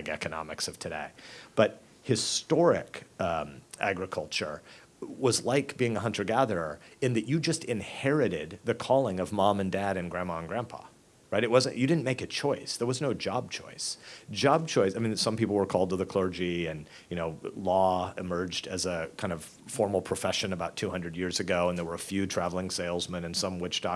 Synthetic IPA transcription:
ɪkɛ̰kɨnɑ̰mɨksʌv̥tʰɨɾḛɪb̥ʌt̚ | hɨstɔɹɪ̰kʌæ̰ɡɹɨkʰʌlˠt͡ʃə̰˞ | wʌzlaɪkb̥iɪ̃ŋəɦʌ̃ntʰə˞ɡæðə˞ə˞ɨ̃nðɨt͡ʃɨd͡ʒʌstɨ̃nhɛɹɨɾɪd̪̚ðɨkʰɔlˠɪ̃ŋʌvmɑ̃mɨ̃ndæɾɨ̃nɡɹæ̃mɑ̃nɡɹæ̃mpʰɑ̰ | ɹaɪɾɨt̚wʌzɨ̃njɨɾɪdⁿn̩meɪkɨt͡ʃʰɔɪsðə˞wʌznoʊd͡ʒɑb̚t͡ʃʰɔ̰ɪsd̥d͡ʒɑb̚t͡ʃʰɔɪsaɪmĩnsʌ̃mpipl̩ˠwə˞kʰɔlˠd̚təðɨkʰl̥ɜ˞d͡ʒiɨ̃n | jɨñoʊlɔɨmɜ˞d͡ʒdɨzɨkʰãɪ̃ndʌv̥ | fɔɹml̩ˠpʰɹ̥ɨfɛʃɨ̃nəbaʊtʰʉhʌ̃ndɹɨd̚jɪɹzɨɡoʊə̃nðə˞wə˞əfjʉtʰɹ̥ævl̩ˠɪ̃ŋseɪlˠzmɨ̃nɨ̃nsʌ̃mwɪt͡ʃd̥ɑ

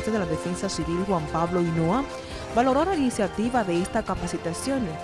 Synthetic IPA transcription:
t̪eðelaðefe̞nsasiβilxwampaβlo̞inoa | balo̞ɾolainisjat̪iβaðe̞est̪akapasit̪asjo̞n

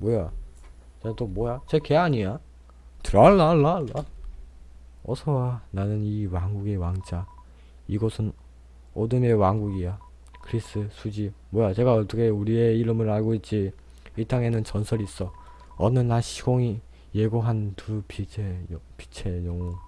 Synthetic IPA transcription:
mwoja | t͡ɕet͈omwʌjat͡ɕeke̞aɲija | tɯɾaɭːaɭːaɭːa | ʌsʰʌwananɯniwaŋɡuɡe̞waŋd͡ʑa | iɡʌsʰɯn | ʌdɯme̞waŋɡuɡija | kɯɾis͈ɯsʰud͡ʑimwojat͡ɕe̞ɡaʌt͈ʌkʰeuɾieiɾɯmɯɾaɭɡoit̚t͡ɕ͈i | it͈ʰaŋe̞nɯnt͡ɕʌnsʰʌɾis͈ʌ | ʌnɯnaɕʰiɡoŋi | je̞ɡoɦantupit͡ɕʰepi̥t͡ɕʰe̞jʌŋu

